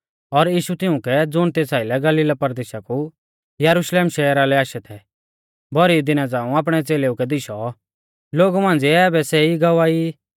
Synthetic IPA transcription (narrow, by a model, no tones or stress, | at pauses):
ɔɾjiːʃut̪ɪʊ̃kɛd͡zʊɽ̃t̪eːsaːɪlɛɡɐliːlapɐɾd̪eːʃaku | jɐɾuʃleːmʃɛːɾalɛaːʃɛt̪ʰɛ | bɔɾid̪ɪnad͡zãːũaːp̬ɽ̃ɛt͡seːleukɛd̪ɪʃɔ | loːɡumãːnd͡ziːbɛsɛiɡɐʋaːi